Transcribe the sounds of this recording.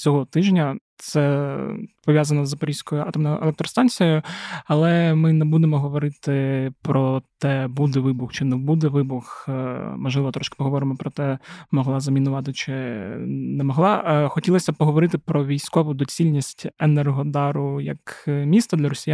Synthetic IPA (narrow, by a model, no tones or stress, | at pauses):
t͡sʲɔɦɔt̪ɪʒnʲɐt̪sɛ | pɔʋʲjazɐnɔzɐpɐɾʲisʲkɔjʊɑt̪ɔmnɔjʊʔḛlˠɛkt̪ɾɔst̪ɑnʲt͡sʲijjʊɐlˠɛmɪnɛbud̪emɔɦɔʋɔɾɪt̪ɪpɾɔt̪ɛbud̪ɛʋɪbʊxt͡ʃɪnɛbud̪ɛʋɪbʊxmɔʒlˠɪʋɔt̪ɾɔʃkɪ̥pɔɦɔʋɔɾɪmɔpɾɔt̪ɛmɔɦlˠɑzɐmʲinʊʋɑt̪ɪt͡ʃɪ | nɛmɔɦlˠɑxɔtʲilˠɐsʲɐpɔɦɔʋɔɾɪt̪ɪpɾɔʋʲijsʲkɔʋʊd̪ɔt͡sʲilʲnʲisʲtʲenɛrɦɔd̪ɑɾʊjɐ̰kmʲist̪ɐd̪lʲɐɾɔsʲija